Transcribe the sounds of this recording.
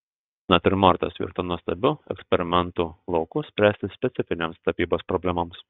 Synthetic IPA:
nɐt̪ʲɪɾmɐɾt̪ɐ̰sʲʋʲḭːɾt̪onuɔsʲt̪ɐbʲʊɛ̰ksʲpʲɛɾʲɪmʲɛnt̪uːlˠɐʊkʊsʲpʲɾʲæːsʲt̪ʲɪsʲpʲɛt̪sʲɪfʲɪnʲeːmst̪ɐpʲiːboːspɾɔbʲlʲɛmɐms

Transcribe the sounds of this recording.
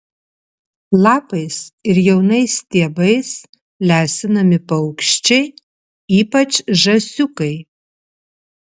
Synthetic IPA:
lˠɑːpɐɪsɪɾjɛʊnɐɪst̪ʲiɛbɐɪs | lʲæːsʲɪnɐmʲɪpɐʊkʃʲt͡ʃʲɛɪ | iːpɐt͡ʃʒɐsʲʊkɐɪ

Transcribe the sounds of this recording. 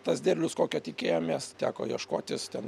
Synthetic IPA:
t̪ɐsd̪ʲeːrʲlʲʊskoːkʲɛt̪ʲɪkʲeːjoːmʲeɛst̪ʲæːko̰jiɛʃkoːt̪ʲɪst̪ʲɛn

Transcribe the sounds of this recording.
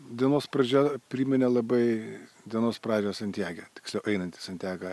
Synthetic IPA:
d̪ʲiɛnoːspɾɐd͡ʒʲɛpʲɾʲiːmʲɪnʲɛlˠɐbɐɪ | d̪ʲiɛnoːspɾɑːd͡ʒʲoːsɐnʲt̪ʲæːɡʲɛt̪ʲɪ̥ksʲlʲɛʊʔɛɪnɐnʲt̪ʲɪ̥sɐnʲt̪ʲæːɡɐ

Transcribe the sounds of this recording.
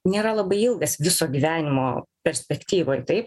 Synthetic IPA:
nʲeːɾɐlˠɐbɐɪɪlˠɡɐsʋʲɪsoːɡʲiːʋʲæːnʲɪmoːpʲɛɾʲsʲpʲɛkt̪ʲiːʋoːjt̪ɐɪp

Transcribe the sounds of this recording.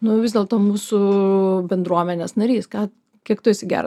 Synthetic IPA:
nʊʋʲɪzdʲeːlˠt̪oːmuːsʊbʲɛnd̪ɾuɔmʲɛnʲeːsnɐɾʲiːskɑː | kʲiɛkt̪oɪsʲɪɡʲæ̰ːɾ

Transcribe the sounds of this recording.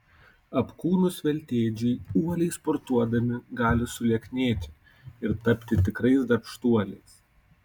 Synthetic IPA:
ɐpkuːnʊsʋʲɛlʲt̪ʲeːd͡ʒʲɛɪuɔlʲɛɪspɔɾt̪uɔd̪ɐmʲɪɡɑːlʲɪsʊlʲiɛkʲnʲeːt̪ʲɪ̥ | ɪɾt̪ɐpʲt̪ʲɪt̪ʲɪkɾɐɪsd̪ɐɾpʃt̪uɔlʲɛɪs

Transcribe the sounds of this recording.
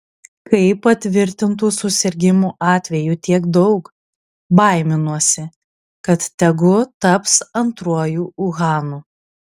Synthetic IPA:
kɐɪpɐt̪ʲʋʲɪɾʲt̪ʲɪnt̪uːsʊsʲɪɾʲɡʲɪmuːʔɑːt̪ʲʋʲɛjuːt̪ʲiɛkd̪ɒʊk | bɐɪmʲɪnuɔsʲɪ | kɐt̪t̪ʲɛɡʊt̪ɐpsɐnt̪ɾuɔjuːʊɣɑːnuː

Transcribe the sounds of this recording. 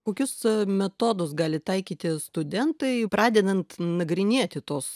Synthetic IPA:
koːkʲʊsmʲɛt̪oːd̪ʊsɡɑːlʲɪt̪ɐɪkʲiːt̪ʲɪst̪ʊd̪ʲɛnt̪ɐɪpɾɑːd̪ʲɛd̪ɐnt̪nɐɡɾʲɪnʲiɛt̪ʲɪt̪oːs

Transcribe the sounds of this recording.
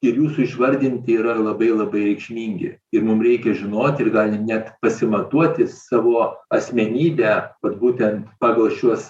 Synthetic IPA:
ɪɾjuːsʊɪʃʋɐɾʲd̪ʲɪnʲt̪ʲɪiːɾɐlˠɐbɐɪlˠɐbɐɪɾʲɛɪkʃʲmʲiːŋʲɡʲɪ̰ɪɾmʊmɾʲɛɪkʲɛʒʲɪnoːt̪ʲɪrɡɑːlʲɪnʲæt̪pɐsʲɪmɐt̪uɔt̪ʲɪsɑːʋoːɐsʲmʲɛnʲiːbʲæːkɐt̪buːt̪ʲɛnt̪pɑːɡɐlˠʃʲuɔs

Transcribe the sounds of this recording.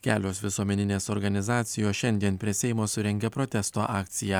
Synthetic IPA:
kʲæːlʲoːsʋʲɪsuɔmʲɛnʲɪnʲeːsɔɾɡɐnʲɪzɑːt̪sʲɪjoːʃʲɛnʲd̪ʲiɛnpʲɾʲiɛsʲɛɪmoːsʊɾʲɛŋʲɡʲɛpɾɔt̪ʲɛst̪oːʔɑːk̚t̪sʲɪjæː

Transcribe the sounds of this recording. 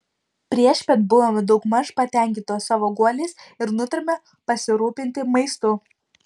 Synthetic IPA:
pʲɾʲiɛʃʲpʲɛt̪bʊʋoːmʲɪd̪ɒʊkmɐʃpɐt̪ʲɛˑŋʲkʲɪnt̪oːsɐʋoːɡuɔlʲeːsɪɾnʊt̪ʲɪɾʲmʲɛ | pɐsʲɪɾuːpʲɪnʲt̪ʲɪmɐɪst̪ʊ

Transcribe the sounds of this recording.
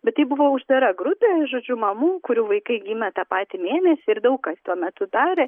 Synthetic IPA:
bʲɛt̪t̪ːɐɪbʊʋoːʊʒd̪ɐɾɐɡɾʊpʲeːʒoːd͡ʒʲʊmɐmuːkʊɾʲuːʋɐɪkɐɪɡʲiːmʲɛt̪ɑːpɑːt̪ʲimʲeːnʲɛsʲɪɪɾd̪ɐʊkɐst̪uɔmʲɛt̪ʊd̪ɑːɾʲeː

